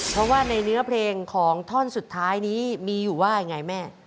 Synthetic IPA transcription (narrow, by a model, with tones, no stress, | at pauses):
pʰɾɔ˦˥waː˥˩na˧jnɯ˦˥ɐpʰleː˧ŋkʰɔː˩˦ŋt̪ʰɔ˥˩nsu˨˩t̪ʰːaː˦˥jniː˦˥miː˧juː˨˩waː˥˩ja˧˩ŋa˧jmɛː˥˩